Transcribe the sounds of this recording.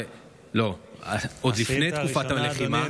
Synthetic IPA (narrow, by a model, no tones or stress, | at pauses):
lo̞ | od̪lifnejt̪kufat̪aleχima